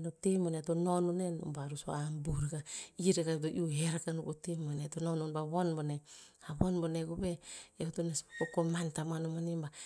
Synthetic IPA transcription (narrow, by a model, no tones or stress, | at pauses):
notemonetonononeno̰baɾuso̰ambuɾeɡaiɾeɡaetoʔiuɦeɾakanukotemonetonononbaβonbonehaβonboneɡubeeutoneskokomantamanomanimba